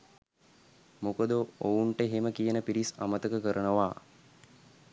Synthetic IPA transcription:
mukəd̪əouɳʈəɦeməkijənəpiɾisa̰mət̪əkəkəɾənəʋaː

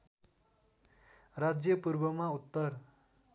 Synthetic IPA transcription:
rad͡zjʌpuɾbʌmaut̪ːʌr

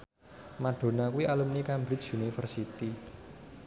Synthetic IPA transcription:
maɖ̥o̤nakuwiʔalumnikambɾɪt͡ʃunifərsit̪i

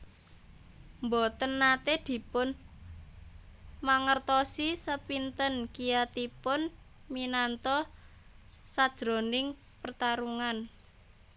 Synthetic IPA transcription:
mbot̪ənːat̪ed̪̥i̤pʊn | maŋərt̪ɔsisəpint̪ənkijat̪ipʊn | minant̪ɔ | sad̥ʒ̥ɾo̤nɪŋ | pərt̪aɾuŋan

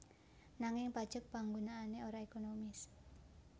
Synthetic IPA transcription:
naŋɪŋpad̥ʒ̥ək̚paŋɡonaːneoɾaekonomɪs

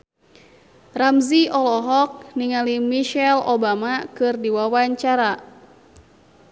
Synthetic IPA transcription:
ramziɔlɔɦɔk̚niŋalimiʃɛlobamakɨrdiwawaɲt͡ʃaɾa

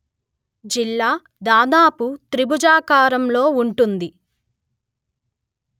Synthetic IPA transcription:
d͡ʒilːaː | d̪aːd̪aːput̪ɾibud͡ʒaːkaːɾɐmlo̞ːuɳʈund̪i

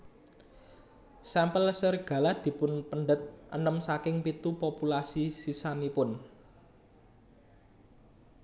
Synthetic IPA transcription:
sampəlsərɡ̥ä̤lad̪̥i̤pʊnpəɳɖət̪̚ʔənəmsakɪŋpit̪upopulasisisanipʊn

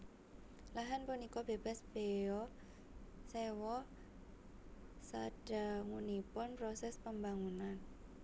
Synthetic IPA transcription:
laɦanpunikɔbeb̥a̤sb̥eɔ | sewɔ | saɖ̥a̤ŋunipʊnpɾɔsɛspəmbaŋunan

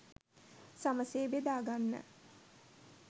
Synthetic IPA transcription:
saməseːbed̪aːɡanːə̰

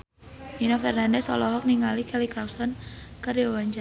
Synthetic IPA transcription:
minɔfɛrnandɛsɔ̰lɔɦɔk̚niŋalikɛlikɾawsɔnkəɾjɔwaɲd͡ʒa

